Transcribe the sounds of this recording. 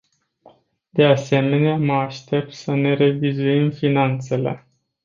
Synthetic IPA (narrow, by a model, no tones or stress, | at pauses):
d̪e̞ase̞me̞neaməaʃt̪e̞p̚t̪səne̞ɾe̞vizuimfinant̪se̞le̞̰